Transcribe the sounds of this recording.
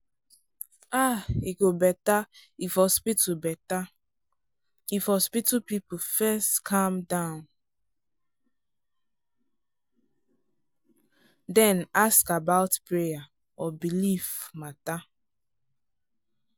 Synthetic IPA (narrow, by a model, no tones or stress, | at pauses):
aikobɛtaifɔspitubɛta | ifɔspitupipufɛstkʰãmdãʊn | dɛ̃naskabaʊtpɾeja | ɔbilivmata